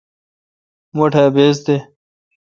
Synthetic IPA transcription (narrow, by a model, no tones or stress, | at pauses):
moʈʰeːbeːz̬t̪e